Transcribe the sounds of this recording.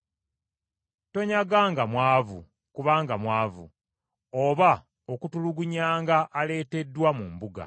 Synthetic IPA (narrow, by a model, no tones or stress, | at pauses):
to̞ɲaɡaːŋɡamwaːvu | kuβaːŋɡamwaːvṵ | oβa | o̞kutuluɡuɲaːŋɡaʔːle̞ːte̞dːwamumbuɡa̰